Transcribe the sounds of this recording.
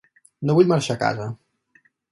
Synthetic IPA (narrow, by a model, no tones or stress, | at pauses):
noβuʎmaɾʃaka̰za